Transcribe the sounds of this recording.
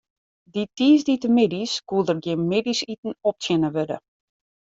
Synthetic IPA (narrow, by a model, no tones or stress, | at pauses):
ditiːsditəmɪdiskuəlˠdərɡjɪnmɪdisitn̩ɔp̚tjɪnəʋødə̰